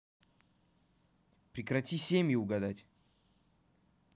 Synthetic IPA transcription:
pɾʲɪkɾɐtʲisʲemʲjʊʊɡɐd̪atʲ

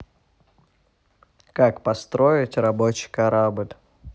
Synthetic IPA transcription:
kakpɐst̪ɾoɪtʲrɐbot͡ɕɪ̥kaɾabɨlʲ

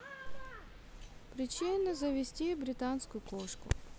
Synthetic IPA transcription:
pɾɪt͡ʃɪnːɐzɐʋʲisʲtʲibɾʲɪt̪ɑnsʲkʊjʊkɔʃkʊ̰

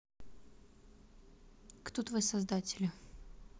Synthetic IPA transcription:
kt̪ot̪vɨsɐzd̪atʲɪlʲɪ

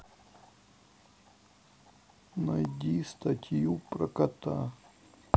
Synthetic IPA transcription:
nɐjd̪ʲist̪ɐtʲjupɾɐkɐt̪a̰

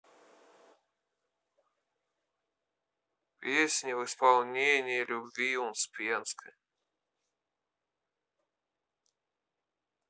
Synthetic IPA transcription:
pʲesʲnʲɪvɨspalˠnʲenʲɪjəlʲʊbʲvʲiunspʲenskʰɨj

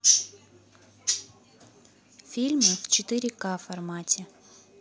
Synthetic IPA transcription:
fʲilʲməft͡ɕɪt̪ɨɾʲɪkafɐrmatʲɪ

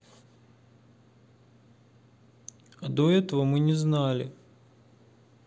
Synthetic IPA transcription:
ad̪oɛt̪əvəmɨnʲɪznalʲɪ

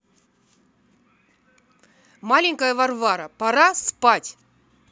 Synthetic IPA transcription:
malʲɪŋʲkəjəvɐrvaɾəpɐɾaspatʲ

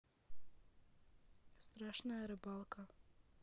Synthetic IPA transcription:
st̪ɾaːʃnajeɾebalˠkʰa

